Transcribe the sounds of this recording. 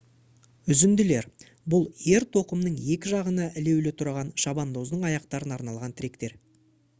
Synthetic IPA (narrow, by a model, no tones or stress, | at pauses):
ʏzɪnd̪ɪle̞ɾ | bʊlˠje̞ɾt̪ʰo̞qəmnəɴje̞kʲɪʒɑʁənɑʔɪle̞wlɪt̪ʰʊɾɑʁɑnʃɑbɑnd̪ozd̪əɴɑjɑq̚t̪ɑɾənɑɾnɑlˠʁɑnt̪ʰɪɾe̞kt̪e̞ɾ